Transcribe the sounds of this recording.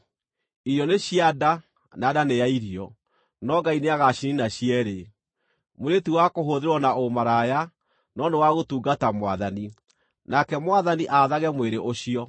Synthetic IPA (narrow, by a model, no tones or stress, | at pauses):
iɾjɔneɕiada | naːdanejaiɾiɔ | nɔɡaineaɣaɕininaɕiɛɾe | moɾetiwakoɦoðeɾwɔnaomaɾaja | nɔndewaɣotuːɡatamwaðani | nakɛmwaðaniʔaðaɣɛmweɾeʔoɕiɔ